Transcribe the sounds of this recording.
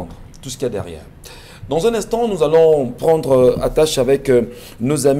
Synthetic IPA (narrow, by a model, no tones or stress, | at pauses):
d̪ʁ | t̪usə̥kʲiɛd̪ɛ̰ʁjɛ̰ːʁ | d̪ɑ̃zɛ̃nɛ̃st̪ɑ̃nuzalɔ̃pχɑ̃d̪ʁəa̰t̪aʃavɛk | nozam